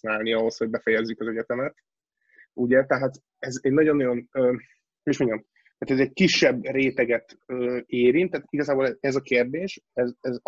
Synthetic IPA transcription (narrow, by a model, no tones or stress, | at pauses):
naːlniɒɦo̞sho̞ɟ̚bɛfɛjɛzːykɒzɛɟɛt̪ɛmɛt̪ | uɟɛt̪ɛɦaːt̪ | ɛzeːnːɒɟo̞nːɒjo̞nøː | oiʃmo̞ɲɟɒm | t̪aːt̪ɛzɛc̚kiʃːɛbːreːt̪ɛɡɛt̪øːeːɾint̪ːat̪iɡɒzaːboːlɛɛzɒkeːrd̪eːʃɛzɛz